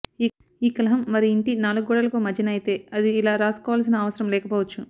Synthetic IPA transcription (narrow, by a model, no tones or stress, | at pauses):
iː | iːkɐlɐɦɐmːɐɾiːɳʈinaːluɡɡɔːɽɐlɐkuːmɐd͡ʒɐnɐjit̪e̞ːɐd̪iːlaːɾaːskɔːʋaːlɐs̬inɐːʋɐsɐɾɐmlɛːkɐpɔːʋɐt͡ʃːu